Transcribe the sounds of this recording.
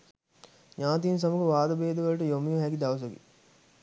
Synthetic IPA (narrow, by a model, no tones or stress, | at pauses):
ɲaːt̪̬iːns̬ɐməkəʋaːd̪ɐbeːd̪ɐʋɐlʈəjomijuɦækid̪ɐʋɐs̬ɐɡḭ